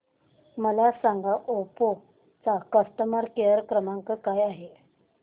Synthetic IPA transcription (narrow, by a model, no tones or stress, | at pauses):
məlasaŋɡaʔopo | t͡sakəst̪əmaɾkeəɾkɾəmaŋkəkajaɦe